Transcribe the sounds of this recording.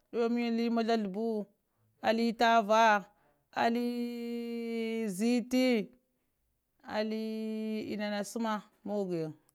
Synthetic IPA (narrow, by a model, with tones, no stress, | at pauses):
ɗo˦mi˦a˦li˦ma˦la˦ɬu˨bu˦ | a˨li˦ta˦va˦ | a̰˨li˦ | zi˦ti˦ | a̰˨li˦ḭ˨na˨na˨su˦ma˦ | mo˦ɡe˨ŋ